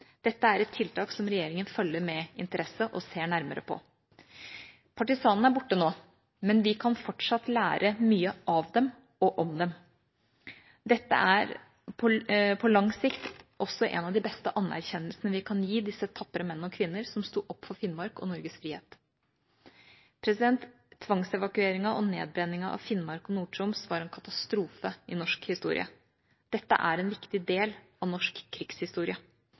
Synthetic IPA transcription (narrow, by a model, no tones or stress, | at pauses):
d̪̥ɛt̪ːəæɾɛt̪ʰːɪlt̪ʰɑːksɔmɾɛjeːɾɪŋənfœlːəɾmɛɪ̰nt̪əɾʔɛsəʔɔseːɳæɾmə̰ɾə̰pʰɔ̰ | pʰɑʈɪsɑːnn̩æɾbʊʈːənoː | mɛnʋɪkʰɑnfɔʈʂɑt̪ːlæːɾʔəmyːəʔɑʋd̪ɛm | ɔʔɔmd̪ɛm | d̪ɛt̪ːə̰ʔæɾ | pʰɔpʰɔlɑŋsɪkt̪ʔɔsɔʔɛ̰nɑʋd̪ɪbɛst̪əʔɑnːæ̰ɾçɛnːəlsnəʋɪkʰɑnjiːd̪ɪsːət̪ʰɑpːəɾəmɛnːnɔkʰʋɪnːəɾsɔmst̪uːʔɔpːfɔɾfɪnːmɑɾkɔ̰nɔɾɡəsfɾiːhḛːt̪ | pʰɾɛsɪd̪ɛnt̪ʰː | ʋɑŋsɛʋɑkʉeːɾɪŋɑʔɔneːd̪̚bɾɛnːɪŋɑʔɑ̰ʋfɪnːmɑɾkɔnuːʈɾʊmsʋɑɾɛnkʰɑt̪ɑst̪ɾuːfəɪnɔʂkhɪst̪ṵːɾɪ̰ə̰ | d̪̥ɛt̪ːə̰ʔæɾɛnʋɪkt̪ɪd̪eːlɑʋnɔʂkʰːɾɪɡshɪst̪uːɾɪə